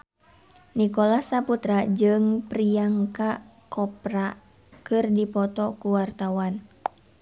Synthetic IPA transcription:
nikɔlahsaput̪ɾad͡ʒɨŋpɾiaŋka | kɔpɾa | kɨrdipɔt̪ɔkuwart̪awan

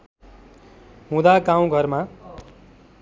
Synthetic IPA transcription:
ɦũd̪aɡãw̃ɡʱʌrma

